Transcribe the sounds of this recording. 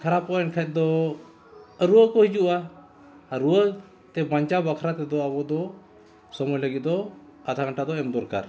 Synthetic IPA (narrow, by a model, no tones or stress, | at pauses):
kʰaɾapɔɛnkʰɛt̪̚d̪ɔ | ɾuəkɔɦid͡ʒuʔaː | ɾuə | t̪ɛbaɲt͡ʃabakʰɾat̪ɛd̪ɔabɔd̪ɔ | sɔmɔjləɡit̪̚d̪ɔ | at̪ʰakaɳʈad̪ɔɛmd̪ɔɾka̰ɾ